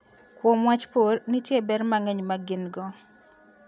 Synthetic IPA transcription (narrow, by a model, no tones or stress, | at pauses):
kwɔmwat͡ʃpornitjebɛɾmaŋɛɲmaɡɪnɡɔ